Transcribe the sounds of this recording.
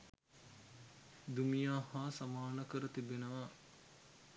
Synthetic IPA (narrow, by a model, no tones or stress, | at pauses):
d̪umijaːhaːsamaːnəkəɾət̪ibenəʋa